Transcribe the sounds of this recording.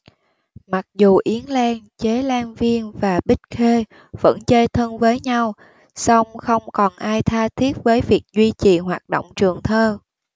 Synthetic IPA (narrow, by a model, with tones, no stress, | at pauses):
ma˨˩k̚zu˨˩ʔi˨˦ənlaː˧nt͡ɕe˨˦laː˧nvi˧ənvaː˨˩ɓï˦˥t̟̚xe˧ | v̥ə̰˧˥nt͡ɕəː˧jt̪ʰə˧nvəː˨˦jɲa˧w | sa˧wŋ͡mxə˧wŋ͡mkɔ˨˩nʔaː˧jt̪ʰaː˧t̪ʰi˦˥ət̚vəː˨˦jvi˨˩ək̚zwi˧t͡ɕi˨˩ɦwaː˨˩t̚ɗo̰˧˨wŋ͡mt͡ɕɨ˨˩əŋt̪ʰəː˧